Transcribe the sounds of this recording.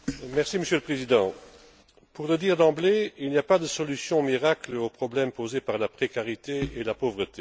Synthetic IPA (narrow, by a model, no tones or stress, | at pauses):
mɛʁsiməsjøləpχezid̪ɑ̃ | puʁləd̪iːʁd̪ɑ̃bleilnijapad̪əsɔlysjɔ̃miʁakləopχɔblɛmpozepaʁlapχekaʁit̪eelapovʁət̪ʰe